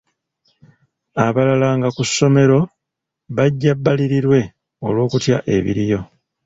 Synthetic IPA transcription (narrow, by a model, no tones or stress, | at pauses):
aβalalaŋɡakusːo̞me̞ɾo̞ | βaɟːabːaliɾiɾwe̞ | o̞lwo̞ːkutjaʔe̞̰βḭɾijo̞